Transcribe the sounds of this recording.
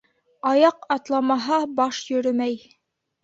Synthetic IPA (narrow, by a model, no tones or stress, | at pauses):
ɑjɑqɑt̪lˠɑmɑɦɑbɑʃjɵ̆ɾɵmæj